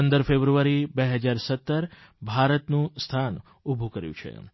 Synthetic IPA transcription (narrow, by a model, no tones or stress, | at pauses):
ənd̪əɾfebɾuʋaɾibeɦəd͡ʒaɾsət̪ːəɾbʱaɾət̪nũst̪ʰan | ubʱukəɾjṵ̃t͡ʃʰḛ